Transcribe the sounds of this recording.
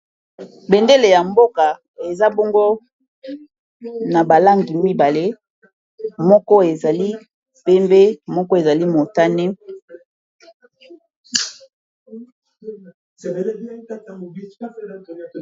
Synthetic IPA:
be˨nde˦le˨ja˨mbo˦ka˨ | e˨za˦bɔ˦ŋɡo˦ | na˨ba˨la˦ŋɡi˨mi˦ba˨le˦ | mɔ˦kɔ˦e˨za˨li˦ | pe˦mbe˦mɔ˦kɔ˦e˨za˨li˦mo˨ta˦nɛ˦

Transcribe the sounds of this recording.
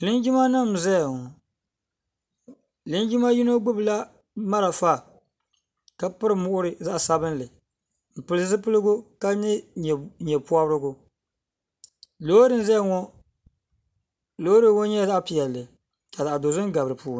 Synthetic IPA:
lɨ˦nd͡ʒi˦ma˦nɨ˦m˨zɛ˦ja˨ŋɔ˨ | lɨ˦n˦d͡ʒi˦ma˦ji˦no˦ɡ͡bʊ˦bɨ˨la˦ | ma˦ɾa˨fa˦˨ | ka˦pɨ˦ɾɨ˨mʊ˦ʔʊ˦ɾɨ˨za˦ʔsa˦bɨ˦n˦lɨ˨ | m̩˨pɨ˨lɨ˦zɨ˦pɨ˦lɨ˦ɡʊ˦ka˦nɨ˦˨ɲɛ˨pu˦a˦bɾɨ˦ɡʊ˦ | lo˦ɾɨ˦˨n˦zɛ˦jŋɔ˦ | lo˦ɾɨ˦ŋo˦ɲɛ˦˨za˦ʔpi˨jɛ˨lːɨ˨ | ka˨za˨ʔa˨do˨zɨ˦n˦ɡa˨bɾɨ˨puː˦

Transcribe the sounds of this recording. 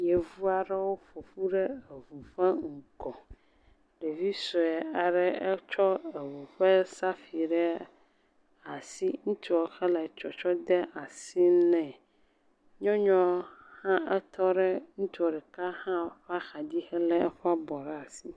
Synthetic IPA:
jɛ˨vu˦a˨ɖɛ˦wo˦fo˨ɸu˦ɖɛ˦e˨vu˨ɸɛ˦ŋ̩˨kɔ̃˨ | ɖe˨vi˦sɔ˨ɛ˨a˨ɖɛ˦ɛ˦t͡ʃɔ˦ɛ˨vu˨ɸɛ˦sa˦fi˨ɖɛ˦ | a˨si˦ŋũ˦t̪i˦ɔ˨xɛ˦lɛ˨t͡ʃɔ˨t͡ʃɔ˦d̪ɛ˦ʔa˨si˦nɛ̃˨ | ɲɔ̃˦ɲɔ̃˦hã˦ʔɛ˦t̪ɔ˦ɖɛ˦ŋũ˦t̪i˦ɔ˨ɖɛ˨ka˦hã˦ɸa˦xa˨d̪i˦xɛ˦lɛ̃˦ɛ˦ɸa˦bɔ˨ɾɛ˦a˨si˦

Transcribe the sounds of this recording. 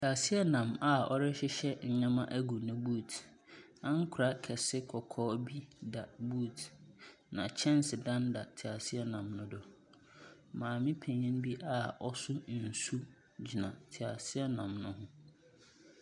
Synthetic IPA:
tʰi˨a˨si˦ɛ˦nã˨ma˨ɔ˦ɾɪ˦ɕɪ˦ɕɛ˦ɲ̩˨ɲã˦mã˦ʔæ˦ɡu˨nʊ̃˦buː˦˨t | ã˦ŋ˦kʰʊ˨ɾa˦kʰɛ˨sɪ˦kʰɔ˨kʰɔː˦bi˦da˨bu˦˨t | nã̰˨t͡ɕʰɛ̃˦n˦sɪ˨dã˦nda˨tʰɪ˨a˨sɪ˦ɛ˦nã˨mnʊ̃˦dʊ˨ | mãː˨mɪ̃˦pʰẽ˨ɲɪ̃˦n˦bi˦ʔa˦˨ɔ˦sʊ˦n̩˨su˦ | d͡ʑi˨nã̰˨tʰɪ˨a˨sɪ˦ɛ˦nã˨mnʊ̃˦hʊ̃˦

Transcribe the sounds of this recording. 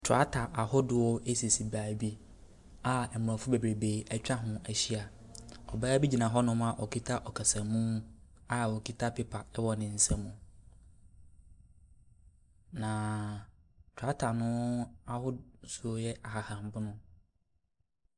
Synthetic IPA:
tʰʊ˨a˦tʰa˨ʔa˨hʊ˦dʊ˨wɔ˦ʔe˦si˨si˨baː˨bi˦ | a˦ɛ˨mʊ˨ã˨fʊ˦be˨bɾe˨be˨æ˨t͡ɕᶣa˦ɦʊ̃˨æ˨ɕi˦a˨ | ɔ̰˨ba˦bi˦d͡ʑi˨nã˨ɦɔ˦nʊ̃˦mã˨ʔɔ˨kʰi˦tʰa˦ʔɔ˨kʰa˨sã˨mũ˦a˦˨ɔ˨kʰi˦tʰa˦pʰɪ˦pʰa˨ɛ˦wɔ˨nɪ̃˨n̩˨sɛ̃˦mũ˦ | nã˨ | tʰʊ˨a˦tʰa˨nʊ̃˦a˨hʊ˦su˦o˦jɛ˦ʔa˨ha˨hã˨m˨bʊ˦nʊ̃˦

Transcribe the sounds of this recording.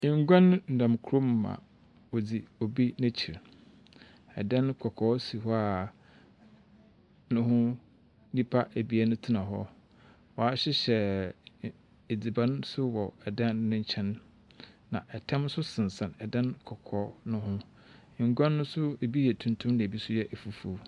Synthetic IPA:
ɪ̃˨ŋ˦ɡʷã˦n˦n̩˨nã˨mkʰu˨˦o˦m˨mã̰˨ | wo˨d͡zi˨o˨bi˦næ̃˦t͡ɕʰi˨ɾ | ɛ̰˨dã˦nkʰɔ˨kʰɔː˨˦si˨ɦɔ˦a˨ | nʊ̃˦ɦʊ̃˦ | nĩ˦pʰa˦ʔæ˨bi˦a˦nʊ̃˦tʰi˦nã˨ɦɔ̰˦ | wɔ˨a˦ɕɪ˦ɕɛ˨ | e˨d͡zi˨bã˦nsʊ˦wɔ˨ɛ˨dã˦n˦nʊ̃˦ɲ̩˦t͡ɕʰɛ̃˦nː | ã̰˨ʔɛ˨tʰɛ̃˦msʊ˦sɪ̃˨n˨sã˨nɛ˨dã˦nkʰɔ˨kʰɔː˨˦nʊ̃˦ɦʊ̃˦˨ | ŋ̩˨ɡʷã˦nːʊ̃˦sʊ˦e˨bi˦jɛ˨tʰũ˨ntʰʊ̃˦mnã˨bi˦sʊ˦jɛ˦ʔɛ˨fu˨fu˨˦˨

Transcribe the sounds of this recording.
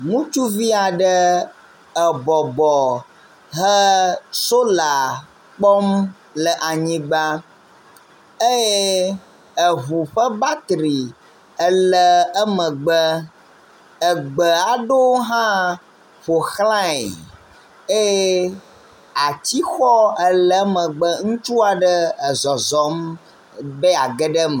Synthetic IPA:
ŋũ˦t͡ʃu˦vi˦a˨ɖə˦ | ə˨bɔ˨bɔ˨ | ɦə˦so˦la˨ | k͡pɔ˦m | lə˨ʔa˨ɲĩ˦ɡ͡ba˦ | e˦je˦ | ə˨βu˨ɸə˦ba˦t̪ɾi˨ | ə˦lə˦ə˦mə̃˨ɡ͡bə˦ | ə˨ɡ͡bə˨a˨ɖo˦wo˦ɦã˦ | ɸo˨xlã˦ḭ˨ | e˦je˦ | a˨t͡ɕi˦xɔ˦ə˦˨lə˦mə̃˨ɡ͡bə˦ŋũ˦t͡ʃu˦a˨ɖə˦˨zɔ˨zɔ˨˦m | bɛ˦a˨ɡɛ˦ɖə˦mə˨

